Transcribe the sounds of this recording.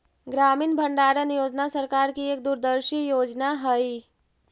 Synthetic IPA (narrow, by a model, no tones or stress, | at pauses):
ɡɾamiːnbʱəɳɖaɾənjod͡ʒnasəɾkaɾkieːk̚d̪uɾd̪əɾʃijod͡ʒnaɦəji